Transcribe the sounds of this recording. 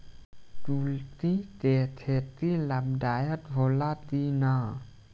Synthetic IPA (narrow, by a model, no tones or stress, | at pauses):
tult̪it̪et̪ʰet̪ilamdajat̪̚bʱolat̪ina